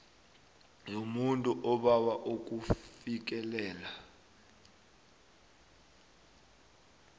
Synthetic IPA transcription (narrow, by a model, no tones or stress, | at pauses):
jomuntʼuʔɔɓawaʔok̬ʼufik̬ɛlɛːla